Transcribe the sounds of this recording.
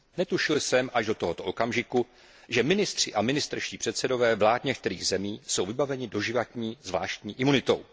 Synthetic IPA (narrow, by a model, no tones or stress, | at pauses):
nɛt̪uʃɪlsɛmʔaʒdo̞t̪o̞ɦot̪o̞ʔokamʒɪku | ʒɛmɪnɪst̪r̝̥ɪʔamɪnɪst̪ɾʃciːpr̥ɛt̪sɛdo̞vɛːvlaːt̪ɲɛk̚t̪ɛɾḭːɣzɛmiːso̞wvɪbavɛɲɪdo̞ʒɪvat̪ɲiːzvla̰ːʃt̪ɲiːʔɪmunɪt̪o̞̰w